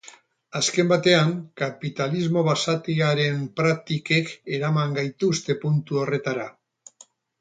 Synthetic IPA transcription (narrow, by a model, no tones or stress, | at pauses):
aske̞mbat̪e̞aŋkapit̪alizmo̞βasat̪iaɾe̞mpɾak̚t̪ike̞ke̞ɾamaŋɡajt̪ust̪e̞punt̪uo̞re̞t̪aɾa